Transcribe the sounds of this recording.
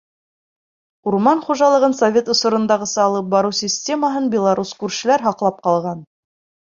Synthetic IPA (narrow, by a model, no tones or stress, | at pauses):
uɾmɑnχuʒɑlˠɤ̆ʁɤnsovʲe̞t̪ŏsŏɾɤ̆nd̪ɑʁɤ̆sɤɑlˠɤp̚bɑɾɤwsʲɪsʲtʲe̞məɦɤnbʲɪlˠaɾuskʉɾʃɘ̆læɾɦɑqlˠɑp̚qɑlˠʁɑn